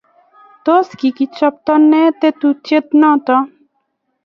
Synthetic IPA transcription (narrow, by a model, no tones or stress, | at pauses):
t̪oskikit͡ʃɐp̚t̪ɔnːet̪et̪ut͡ʃet̪nɔt̪ɔ